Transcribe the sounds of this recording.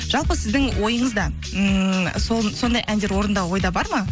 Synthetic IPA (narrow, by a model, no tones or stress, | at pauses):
ʒ̥ɑlˠpəsɪzd̪ɪŋwo̞jəɴəzd̪ɑ | soso̞nd̪ɑjʔænd̪e̞ɾwo̞ɾənd̪ɑwo̞jd̪ɑbɑɾmɑ